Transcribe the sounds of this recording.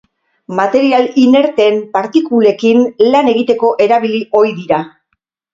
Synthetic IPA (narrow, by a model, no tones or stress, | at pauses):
mat̪e̞ɾialine̞ɾt̪e̞mpaɾt̪ikule̞kinlane̞ɣit̪e̞ko̞ʔe̞ɾaβ̞iliʔo̞jðiɾa